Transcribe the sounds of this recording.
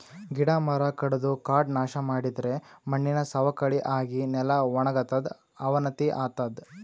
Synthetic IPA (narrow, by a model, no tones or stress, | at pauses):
ɡiɽaːmɐɾɐkɐɽɐd̪ukaːʈnaːʃɐmaːɽid̪ɐɾe̞mɐɳːinɐsɐʋɐkɐɽiʔaːɡinɛlɐʋɔɳɐɡɐt̪ɐd̪ | ɐʋɐnɐt̪iʔaːt̪ɐd̪